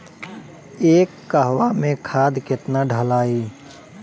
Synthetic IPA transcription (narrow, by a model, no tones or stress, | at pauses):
eːkːəɦwamẽkʰaːd̪kɪt̪naɖʱəlaːiː